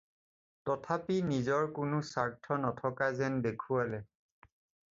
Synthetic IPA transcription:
tɔtʰapinizɔɹkʊnʊsaɹtʰɔnɔtʰɔkazɛndekʰualɛ

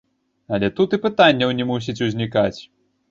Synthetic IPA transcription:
ɐlʲɛt̪ut̪ɨpɨt̪anʲːɐwnʲɛmus̬ʲit͡sʲuzʲnʲikat͡sʲ

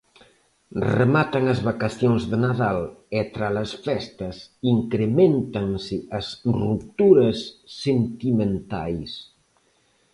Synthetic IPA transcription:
remat̪aŋɐzβakaθjoŋzðenaðalet̪ɾalɐsfɛst̪ɐsiŋkɾemẽnt̪aŋsɪʔɐsrup̚t̪uɾɐsːent̪imẽnt̪a̰js

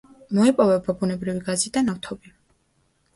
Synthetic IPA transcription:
mɔipʼɔvɛbabunɛbɾiviɡazid̪anaft̪ʰɔbi

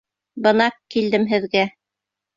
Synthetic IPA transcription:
bɤ̆nɑqkːild̪ɘmɦɘ̆ðɡæ

